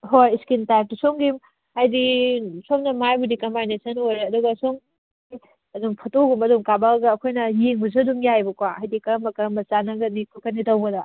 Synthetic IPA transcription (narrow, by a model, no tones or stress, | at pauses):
ɦojskintak̚tusoŋɡim | hajdisɔmnɐmajbudikɐmajnesɐnwojɐduɡɐsoŋ | i | ɐduŋpʰɐtoɡumɐduŋkabaɡɐːkʰojnɐjeŋbuz̬uɐduŋjajbɐkwaʔajdikɐɾɐmɐkɐɾɐmɐt͡ʃanɐɡɐnikʰukʰɐnitɐwbɐdɐ